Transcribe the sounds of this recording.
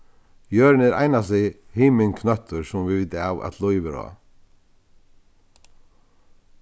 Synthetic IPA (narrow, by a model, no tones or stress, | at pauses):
jœːɾnɛɾʔa̰jnasɪhɪːmɪŋkʰnœht̪əɾsʊmvɪvɪt̪awa̰t̪lɔjʋɪɾɔ̰ː